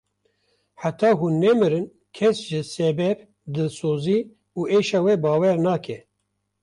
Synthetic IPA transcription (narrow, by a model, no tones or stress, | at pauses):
ħat̪ɑːɦunːɛmɨɾɨn | kʰɛsʒɨsɛbɛb | d̪ɨsoːziː | uːʔeːʃɑːwebɑːwɛɾnɑːkɛ